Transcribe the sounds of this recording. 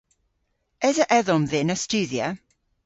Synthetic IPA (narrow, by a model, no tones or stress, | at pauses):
ɛzəʔɛðɔmðɪnəst͡ʃʉːðjə